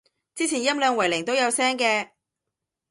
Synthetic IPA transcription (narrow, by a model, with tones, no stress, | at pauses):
t͡siː˥t͡sʰiː˨˩njɐ˥mlœː˨˧ŋwɐ˨˩jlɪ˨˩ŋt̪o˥wjɐ˨˧wsɛː˥ŋkɛː˧